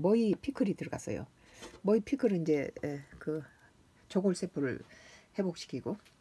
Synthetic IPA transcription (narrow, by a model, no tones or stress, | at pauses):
mʌipʰikʰɯɾitɯɭɡa̰s͈ʌ̰jo̰ | mʌipʰikʰɯɾɯind͡ʑe̞kɯ | t͡ɕʌɡoɭs͈epʰɯɾɯ̰ɭhe̞bok̚ɕ͈ʰi̥kʰiɡo